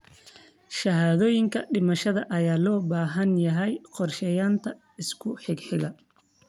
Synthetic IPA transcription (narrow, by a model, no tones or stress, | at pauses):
ʃɐɦaːðɔːjɪŋkʰɐɖɪmɐʃɐðɐʔɐjaːlɔːbaːɦɐnjɐɦɛjqɔrʃɛːjaːnt̪ʰɐ | ɪskʰʊħɪɡħɪɣɐ